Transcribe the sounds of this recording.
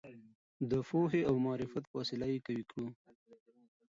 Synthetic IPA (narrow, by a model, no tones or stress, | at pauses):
d̪əfoɦeawmɑːɾɪfat̪fɑsɪlajekawikɽu